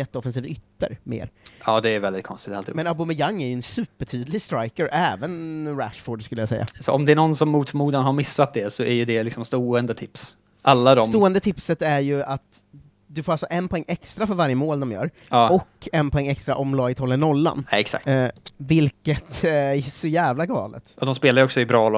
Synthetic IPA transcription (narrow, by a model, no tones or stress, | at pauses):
ɛt̪ːəɔfɛns̬iːvʏt̪ːə̰ɾmḛːɾɑːd̪ɛːɾvɛld̪ɪt̪kʰɔnst̪ɪt̪alʰḭmɛnabʊmɪjaŋːæɾjɵɛnsʉ̟ːpəʈʰyːd̪lɪɡst̪ɾajkəɾʔɛːvənɾæ̰ʂfoːɖskɵlːəjasɛ̰jːa̰sɔ̰ɔmd̪ɛæɾɳɔnsɔmːuːt̪muːd̪anhaɾmɪsːat̪̚d̪ɛsɔæɾjɵd̪ɛlɪksɔmst̪oːɛnd̪ət̪ʰɪps | ʔalːad̪ɔsmt̪oːɛnd̪ət̪ʰɪpsət̪æɾjɵat̪ | d̪ɵfoːɾalsɔʔɛnpʰɔɛŋːʔɛkst̪ɾafœɾvaɾjəmoːld̪ɔmjœ̰ːɾ | ɑɔkːɛnːpʰɔɛŋːɛkst̪ɾaʔɔmlɑːɡɪt̪ʰɔlːənɔlːa̰nɛksa̰k̚t̪vɪlkət̪æsɔjæːvlaɡɑ̰ːlə̰t̪ʔɔd̪ɔmspeːlaɾjɔksɔɪbɾɑːlɔ